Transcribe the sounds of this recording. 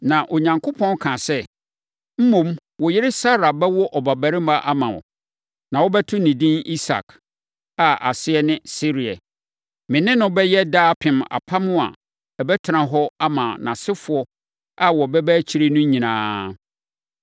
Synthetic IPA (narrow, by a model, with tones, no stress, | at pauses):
nã˨ʔo˨ɲã˨ŋkʰʊ˦pʰɔ̃˦n˦kʰã˨sɛ˦ | m̩˦mõ˨m | wɔ˨jɪ˦ɾɪ˦sa˦ɾa˨bɛ˦wɔ˦ʔɔ˨ba˨bæ˨ɾɪ˦ma˦ʔa˦mã˨ɔ̰˨ | nã˨wɔ˦bɛ˦tʰʊ̃˦nĩ˨dĩ˦ni˦sa̰˨kʰ | a˨ʔa̰˨sɪ˦ɛ˦nɪ̃˦si˦ɾi˨ɛ̰˨ | mɪ̃˨nɪ̃˦nʊ̃˦bɛ˦jɛ˦daː˦pʰɪ̃˨ma̰˨pʰa˦mʊ̃˦a̰˨ | ɛ˨bɛ˦tʰɪ˨nã˨ɦɔ˦a˦mã̰˨nã˨sɪ˦fʊ˨ɔ˦ | a˦wɔ˨bɛ˦bæ˦t͡ɕʰi˦ɾe˦nʊ̃˦ɲĩ˨nãː˦